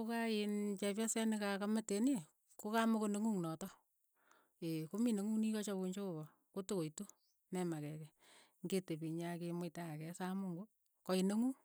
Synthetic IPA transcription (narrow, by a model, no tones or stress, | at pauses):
okaɪnt͡ʃɛp̬jasɛnɪkakametene | kokamokoneŋuŋnɔtɔ | ekomineŋunikɔt͡ʃɔβuɲt͡ʃoβɔ | kotokoitu | nɛmakɛkɛ | ŋɡetepiɲakemʊtaakɛsamuŋɡo | kɔineŋu